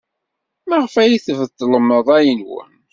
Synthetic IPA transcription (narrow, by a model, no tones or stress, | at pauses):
mæʁfæjiθvəd̪ˤːləmːəðˤæjənwə̰n